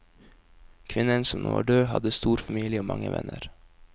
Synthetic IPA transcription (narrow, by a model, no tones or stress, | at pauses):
kʰʋɪnənsɔmnʔoːɖøːhɑd̪əst̪uːɾfɑmiːlɪəoːmʔɑŋəʋɛnəɾ